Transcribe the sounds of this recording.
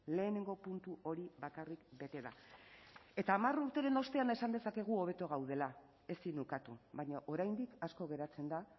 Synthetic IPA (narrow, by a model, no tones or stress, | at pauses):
le̞ːne̞ŋɡo̞punt̪uo̞ɾiβakarikbe̞t̪e̞ða̰ | e̞t̪aːmaruɾt̪e̞ɾe̞no̞st̪eane̞sand̪e̞sake̞ɣ̞uo̞β̞e̞t̪o̞ɣ̞awð̞e̞la | e̞sinukat̪uβajɲaʔo̞ɾajnd̪ikasko̞ɣ̞e̞ɾat͡se̞nd̪a